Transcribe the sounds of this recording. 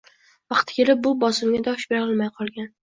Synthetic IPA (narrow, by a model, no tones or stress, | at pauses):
vɑqt̪ʰɪ̥kʲʰe̞lɪp̚bʊbɒsɪmɡʲad̪ɒʃbeɾɒlˠmajqʰɒlˠɡʲan